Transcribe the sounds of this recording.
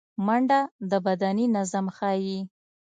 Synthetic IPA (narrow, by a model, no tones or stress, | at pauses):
maɳɖad̪əbad̪aninazamxɑji